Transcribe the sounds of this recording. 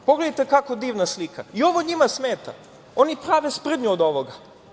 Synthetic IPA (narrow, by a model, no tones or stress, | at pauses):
po̞ɡled̪ajt̪e̞kakod̪iːʋnaslikaio̞ʋo̞ɲimasmeːt̪a̰ | o̞nipɾaːʋespr̩d̪ɲuod̪o̞ʋoɡa